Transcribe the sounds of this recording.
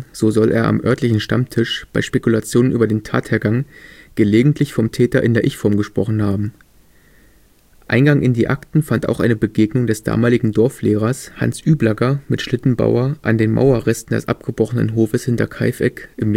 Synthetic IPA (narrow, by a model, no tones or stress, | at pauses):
z̥oːzɔlʔḛːɐʔa̰mʔœɐtlɪçn̩ʃta̰mtʰɪʃb̥aɪʃpekulat͡sjoːnənʔyːbɐdeːntʰa̰ːtheːɐɡaŋɡ̥əleːɡŋ̩tʰlɪçfɔmtʰɛːtɐʔɪndeːɐʔɪçfɔɐmɡəʃpʁ̥ɔχn̩haːbm̩ | ʔa̰ɪnɡaŋʔɪndiːʔaktn̩fantaʊxʔaɪnəbəɡeːɡnʊŋdɛsd̥a̰ːmaːlɪɡŋ̩dɔɐfleːʁ̞ɐsha̰nsʔyːblaɡɐmɪtʃlɪtn̩ba̰ʊɐʔandeːnma̰ʊɐʁɛstn̩dɛ̰sʔa̰p̚ɡ̥əbʁɔχənə̰nɦoːfəshɪntɐkʰaɪfʔɛ̰kʔɪm